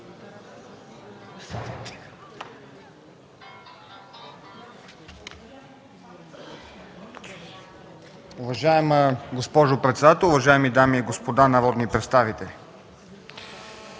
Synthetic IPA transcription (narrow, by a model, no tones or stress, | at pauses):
ʊvɐʒaɛməɡospɔʒopɾɛt̪sɛd̪at̪ɛlˠʊvɐʒaɛmid̪amiɛɡospod̪anɐvɔd̪nipɾɛt̪st̪avit̪ɛli